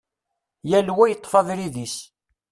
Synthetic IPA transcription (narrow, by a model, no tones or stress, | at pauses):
jælwæjət̪ˤːfɑðɾiðis